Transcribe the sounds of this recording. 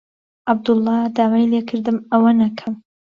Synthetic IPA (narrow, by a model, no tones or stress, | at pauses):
ʔab̚d̪ʊlˠːɑd̪aːwajlekʰɨɾd̪ɨmɐwɐnɐkʰɐm